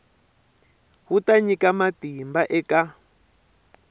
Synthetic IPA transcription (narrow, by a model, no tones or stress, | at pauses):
hutaɲikamatimbaʔɛka